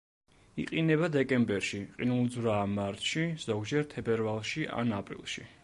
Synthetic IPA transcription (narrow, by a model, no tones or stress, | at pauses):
ḭqʼinɛbad̪ɛkʼɛmbɛɾʃiqʼinulˠd̪zɾaːmaɾt̪ʰʃiz̥ɔɡd͡ʒɛɾt̪ʰɛbɛɾvalˠʃiʔa̰napʼɾḭlˠʃi